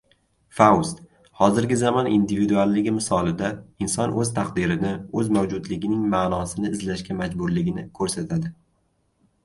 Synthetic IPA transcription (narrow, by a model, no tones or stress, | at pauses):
fawst̪ | hɒzɪɾɡʲɪzamɒnind̪ɪvid̪ualˠːɪɡʲɪmɪsɒlɪd̪aɪnsɒnʔɵzt̪ʰaqd̪ɪɾɪnɪɵzmawd͡ʒʊd̪lɪɡʲɪnɪŋmaːnɒsɪnɪːzlaʃkʲamad͡ʒbʊɾlɪɡʲɪnɪkʰɵɾsat̪ʰad̪ɪ